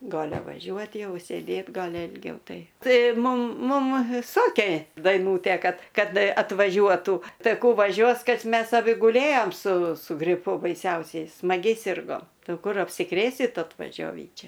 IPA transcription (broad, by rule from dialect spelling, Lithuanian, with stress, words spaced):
ˈɡɑːlʲɛ ʋɐˈʒʲuɔtʲ ˈjɛʊ sʲeːˈdʲeːt ˈɡɑːlʲɪ ɪlʲˈɡʲɛʊ ˈtɐɪ ˈtɐɪ ˈmʊm ˈmʊm ˈsoːkʲeː dɐɪˈnuːtʲeː ˈkɐt ˈkɐt ɐtʋɐˈʒʲuɔtuː ˈtɐɪ ˈkuː ʋɐˈʒʲuɔs ˈkɐt ˈmʲɛs ɐˈbʲɪ ɡʊˈlʲeːjoːm sʊ sʊ ɡrʲɪˈpʊ bɐɪˈsʲɛʊsʲɛɪ smɐˈɡʲɛɪ ˈsʲɪrɡoːm ˈtɐɪ ˈɐʊ ˈkʊr ɐpʲsʲɪˈkrʲeːsʲɪt ɐtʋɐˈʒʲoːʋʲiː ˈt͡ʃʲɛ